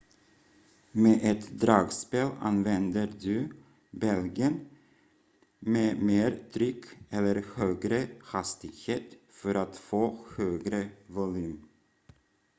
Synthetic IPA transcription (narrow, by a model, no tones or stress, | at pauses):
meːʔɛt̪d̪ɾɑːɡspeːlɑ̰nʋɛnd̪əɾd̪ʉ | bɛlɡən | meːmeːɾt̪ʰɾʏkːɛlːəɾhøːɡɾəhɑst̪ɪɡheːt̪ | fɔɾat̪foːhøːɡɾəvʊlʉːm